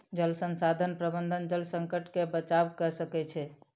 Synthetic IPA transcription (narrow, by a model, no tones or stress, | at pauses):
d͡ʒəlsənsad̪ʱənpɾəbənd̪ʱənd͡ʒəlsə̃ŋkəʈkebət͡ʃawkəsəkɛt͡ʃʰɛ